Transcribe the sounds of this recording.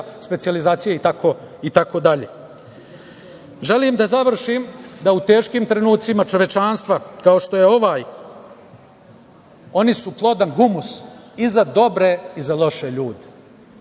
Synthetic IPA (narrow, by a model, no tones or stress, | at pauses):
spe̞t̪sijalizaːt̪sijait̪ako̞ | it̪ako̞d̪aʎeː | ʒe̞limd̪azaʋr̩ʃiːmd̪aut̪e̞ːʃkiːmt̪ɾe̞nuːt̪simat͡ʃo̞ʋje̞t͡ʃanst̪ʋakaoʃt̪o̞je̞o̞ʋaːj | o̞nisuplˠo̞d̪anɦumus | izad̪o̞bɾe̞izalˠo̞ʃe̞ʎuːd̪e̥